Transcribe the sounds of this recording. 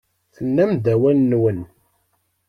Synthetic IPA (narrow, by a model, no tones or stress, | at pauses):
θənːæmd̪æwælːwən